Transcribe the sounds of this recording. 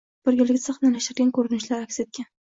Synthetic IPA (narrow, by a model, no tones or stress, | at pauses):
b̥ɪɾɡʲɪlɡʲasʰɨχnalaʃɪɾɡʲankʰɵɾɪnɪʃlaɾakʲset̪̚kʲan